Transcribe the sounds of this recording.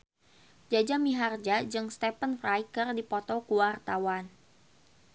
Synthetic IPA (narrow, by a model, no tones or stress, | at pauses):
d͡ʒad͡ʒamiɦard͡ʒad͡ʒɨŋst̪ɛpənfrajkərdipɔt̪ɔkuwart̪awan